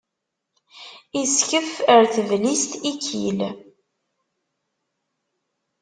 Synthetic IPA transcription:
iskəfəɾθəvlist̪ikʰːḭl

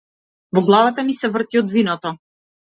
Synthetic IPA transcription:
vɔɡlˠavat̪amisɛvr̩t̪iɔd̪vinɔt̪ɔ

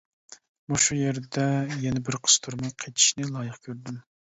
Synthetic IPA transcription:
muʃujeɾd̪ɛjɛnɛbɪɾqʰə̥st̪ʰuɾmɑjqʰet̪ʰi̥ʃnɪlˠɑːjɨχkʲʰøɾd̪ym

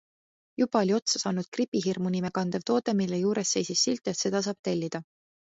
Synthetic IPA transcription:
jub̥ɑolʲio̞t̪sɑsɑːnud̪̥̚kripːˑiɦirmunimekɑnd̪̥ev̥t̪o̞ːd̪e̞milːejuːɾe̞sːe̞jsisːilt̪ːˑet̪se̞d̪̥ɑs̬ɑːb̥̚t̪e̞lʲːid̪̥ɑ

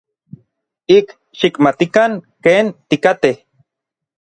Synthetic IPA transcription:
ik | ʃikmat̪ikaŋkeːnt̪ikat̪eh

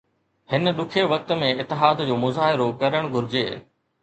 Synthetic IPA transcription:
hɪnəɗʊkʰeʋɐk̚t̪ə̆mẽɪt̪ːɪɦaːd̪d͡ʑoːmʊzaːɦɪɾokɐɾəɽ̃ɡʱʊɾɪd͡ʑeː

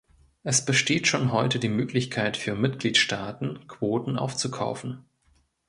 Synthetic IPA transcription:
ʔɛsb̥əʃteːtʃoːnɦɔʏtədiːmøːklɪçkʰaɪtfyːɐmɪt̚ɡ̥liːtʃtaːtn̩kv̥oːtn̩ʔa̰ʊft͡sukʰa̰ʊfn̩

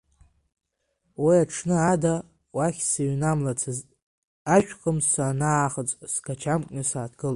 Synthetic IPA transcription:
wiaʈ͡ʂʰnɨada | waχʲsaɥnamlat͡sʰ | aʃᶣχəmsanaːχət͡sʼsɡat͡ʃʰamkʼnɨsaːdɡɨl

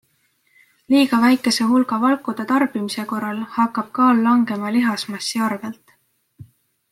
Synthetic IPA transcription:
liːɡ̥ɑvæjkːˑe̞se̞ɦulɡ̥ɑvɑlkːˑud̪̥et̪ɑrb̥imise̞ko̞rːɑlhɑkːˑɑb̥̚kɑːlːɑŋɡ̥e̞mɑliɦɑsmɑsːiɑrvelt̪

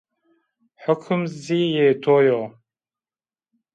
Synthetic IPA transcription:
ħʊkʰɨmzijeːt̪ʰoːjo

